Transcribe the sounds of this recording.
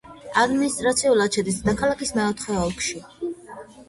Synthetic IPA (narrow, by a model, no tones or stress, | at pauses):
ad̪minist̪ʼɾat̪sʰiulˠad̪t͡ʃʰɛd̪isd̪akʰalˠakismɛɔt̪χɛɔlˠkʰʃi